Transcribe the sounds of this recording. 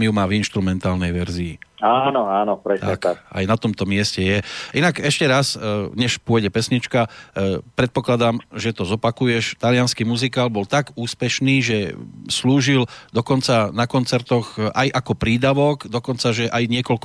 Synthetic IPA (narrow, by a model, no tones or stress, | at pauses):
mijumaːvinʃt̪ɾumɛnt̪aːlnɛjʋɛɾziːanɔaːnɔpɾɛt̪aak̪a̰jnat̪ɔmt̪ɔmɪɛscɛjɛʔinakɛʃcɛɾasɲɛʃpʊɔjɟɛpɛsɲit͡ʃkapɾɛt̪̚pɔklad̪amʒɛt̪ɔzɔpakujɛʃt̪alɪanskimuzikaːlbɔlt̪aɡuːspɛʃniːʒɛsluːʒild̪ɔkɔnt͡sanakɔnt͡sɛɾt̪ɔɣajʔakɔpɾiːd̪aʋɔɡd̪ɔkɔnt͡saʒɛʔajɲɪɛkɔlk